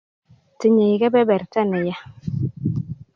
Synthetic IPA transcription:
ti˨ɲe˨jɡɛ˦bɛ˦bɛ˨ɾta˦nɪ˨ja˦

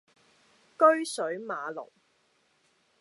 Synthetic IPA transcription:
kɵ˥ɥsɵ˨˥ɥmaː˨˧lʊ̰˨˩ŋ

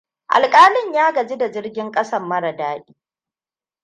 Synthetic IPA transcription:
ʔa̰˨lkʼaː˦lɪ˦ɲjaː˦ɡɐ˨d͡ʒi˦da˨d͡ʒɪ˦rɡʲɪ˦ŋkʼɐ˦sɐ˦mːɐ˦ɽɐ˨daː˦ʔʲiː˦

